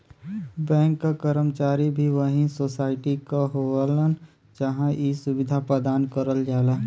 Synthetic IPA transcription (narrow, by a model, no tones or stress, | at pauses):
bɛ̃ːŋkːakəɾəmt͡ʃaːɾibʱiʋəɦĩsosaːɪʈikaɦolən | d͡ʒəɦãʔisʊbɪd̪ʱapɾəd̪aːnkəɾəld͡ʒaːla